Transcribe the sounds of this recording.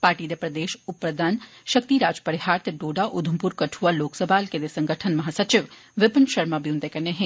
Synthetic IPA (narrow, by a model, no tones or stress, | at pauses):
paːɾʈiːd̪epɾɐd̪eːʃʊpɾəd̪aːn | ʃɐk̚t̪iɾaːd͡ʒpɐɾɪhaːɾt̪eɖoːɖaʔʊd̪ʱəmpuɾkɐʈʰualoːksəbʱaːlked̪esɐ̃ŋɡəʈʰənmɐɦaːsɐt͡ʃɪʋʋɪpənʃɐɾmabʱiũnt̪ekɐɾneɦɛ̃ː